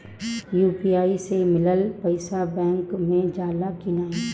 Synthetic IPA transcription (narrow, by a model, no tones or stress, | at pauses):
juːpiaːisemɪləlpəɪsabɛ̃ːŋkmẽd͡ʒaːlakɪnaːẽ